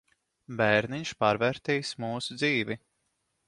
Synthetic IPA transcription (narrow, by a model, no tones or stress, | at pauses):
bɛɾniɲʃpaːɾvɛɾt̪ɛjsmuːsud̪ziːvi